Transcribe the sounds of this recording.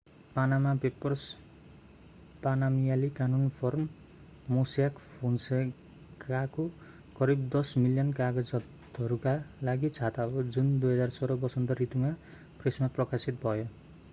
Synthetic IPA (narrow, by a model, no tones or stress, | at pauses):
panamapepʌrs | panamijalikanunpʰormː | osjakpʰonse | kako | kʌɾibd̪ʌsmiljʌnkaɡʌd͡zʌt̪ | ʌɾukalaɡit͡sʰat̪abod͡zund̪ujɦʌd͡zarsʌɾʌbʌsʌnt̪ʌrit̪uma | presmaprʌkasit̪bʱʌjo